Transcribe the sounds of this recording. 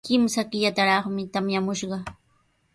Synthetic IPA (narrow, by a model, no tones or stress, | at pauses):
kɪmsakɪʎat̪aɾɑχmɪt̪amjamʊʃɢɑ